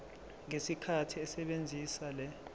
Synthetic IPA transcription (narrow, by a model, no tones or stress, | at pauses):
ŋesikʰatʰiɛsɛɓend͡zʱisalɛ